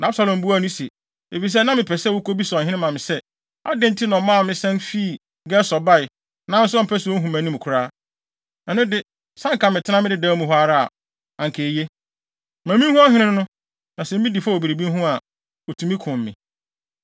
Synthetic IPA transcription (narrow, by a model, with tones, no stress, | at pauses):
nã˨a˦bsa˨lɔ̃˨m˨bu˦a˦˨nʊ̃˦se˨ | e˨fi˨s̬ɛ˦nã˦mɪ̃˨pʰɛ˨sɛ˦wʊ˦ko˦bi˦sɔ̃˨ɦɪ̃˦nɪ̃˦mã˨mɪ̃˨sɛ˦ | a̰˦dɪ̃˦n̩˦tʰɪ˦nɔ̃˨mːãː˦˨mɪ̃˦sɛ̃˦nfiː˦˨ | ɡɛ˦sɔ˨ba˦ɪ˨ | nã˦n̩˦sʊ˦a˦m̩˨pʰæ˦su˨o˦ɦũ˨mæ̃˨nĩ˦m˨kʰʊ˨ɾaː˦ | ɛ˨nʊ̃˦dɪ˦ | sã˦ŋ˨kã˨mɪ̃˨tʰɪ˦nã˦mɪ̃˦dɪ˦daː˨˦mũ˨ɦʊ˦a˦ɾa˦a̰˨ | ã˨ŋ˨kʰe˨je˦ | mæ̃˨mĩ˦hũ˦a˦ɦɪ̃˦nɪ̃˦nʊ̃˦ | nã˨sɛ̃˨˦ĩ˦di˨fa˦˨o˨bi˨ɾe˨bi˦n˦ɦʊ̃˦a˨ | ɔ˨tʰũ˨mĩ˦kʰʊ̃˨mː˨ɪ̃˨